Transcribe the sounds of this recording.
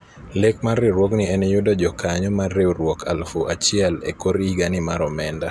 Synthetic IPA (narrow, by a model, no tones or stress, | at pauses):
lekmarːeɾwoɡnɪɛnɛjudɔd͡ʒɔkaɲɔmarːeɾwokʰalfoʔat͡ʃɪɛlḛkoɾiɡanɪmaɾɔmɛnda